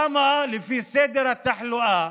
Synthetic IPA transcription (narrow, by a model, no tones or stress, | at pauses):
amaʔalɪfiːseːd̪ɪɾat̪ːaħlʊʔaː